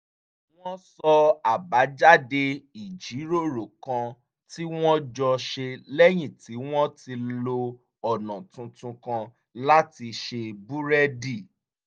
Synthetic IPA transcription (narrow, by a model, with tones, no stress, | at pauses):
w̃ɔ̃˦sɔ˧a˨ba˨˦d͡ʒa˦de˧i˨d͡ʒi˨˦ɾo˦˨ɾo˨kã˧ | ti˦w̃ɔ̃˦d͡ʒɔ˧ʃe˧lɛ˦j̃ĩ˦˨ti˨˦w̃ɔ̃˦ti˧lo˧ | ɔ˨nã˨tũ˧tũ˧kã˧ | la˦ti˧ʃe˧bu˦ɾɛ˦di˦˨